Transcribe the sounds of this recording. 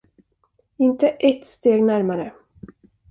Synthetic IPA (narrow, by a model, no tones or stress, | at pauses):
ɪnt̪əʔɛt̪ːst̪eːɡnæɾmaɾə